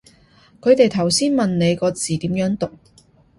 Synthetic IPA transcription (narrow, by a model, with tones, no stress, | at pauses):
kʰɵ˨˧ɥt̪e˨jt̪ʰɐ˨˩wsiː˥nmɐ˨nne˨˧jkɔː˧t͡siː˨t̪iː˨˥mjœː˨˥ŋt̪ʊ˨k̚